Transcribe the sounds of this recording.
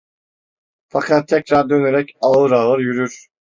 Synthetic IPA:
fakʰat̪ʰːɛcɾaɾd̪ø̞neɾɛcaɯɾalˠɯɾjyɾyɾ̥

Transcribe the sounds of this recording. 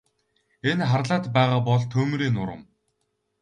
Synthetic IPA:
enχarɮaːt̪pæːʁaːpɔɮt̪ʰɵːmɾiːnʊɾə̆m

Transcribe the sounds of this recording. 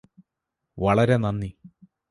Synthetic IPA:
ʋɐɭɐɾe̞nɐnːi

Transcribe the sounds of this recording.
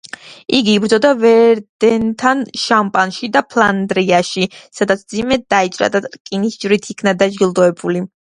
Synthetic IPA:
iɡiːbɾd̪zɔd̪avɛɾd̪ɛnt̪ʰanʃampʼanʃid̪apʰlˠand̪ɾiaʃisad̪at̪sʰmd̪zimɛd̪̥ait͡ʃʼɾa̰d̪at̪ɾkʼinisd͡ʒɾit̪ʰikʰnad̪ad͡ʒɡilˠd̪ɔɛbuli

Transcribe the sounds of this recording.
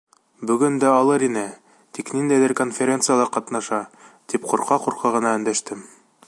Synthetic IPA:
bɵ̆ɡɵnd̪æɑlˠɤɾinɘ | t̪iknind̪æjðɘɾkonfʲeɾʲentsɨjalˠɑɾqɑt̪nɑʃɑt̪ipqŭɾqɑquɾqɑʁɤ̆nɑɵ̆nd̪æʃt̪ɘm

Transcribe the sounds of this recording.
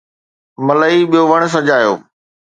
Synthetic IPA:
mɐləiɓijoʋɐɽ̃̆s̬ɐd͡ʑaːjo̰ː

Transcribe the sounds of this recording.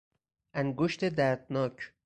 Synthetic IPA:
ʔæŋɡoʃt̪ʰed̪æɾd̪nɒːcʰ

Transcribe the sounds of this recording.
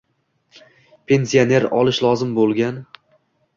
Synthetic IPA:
pʰe̞nsione̞ɾɒlˠɪʃlˠɒzɪmbolˠɡʲan

